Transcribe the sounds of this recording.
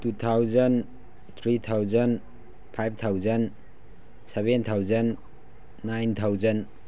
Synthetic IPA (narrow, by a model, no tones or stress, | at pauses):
tut̪ʰawzɐn | t̪ʰɾit̪ʰawzɐn | pʰajb̚t̪ʰawzɐn | sebent̪ʰawzɐnː | ajnt̪ʰawzɐn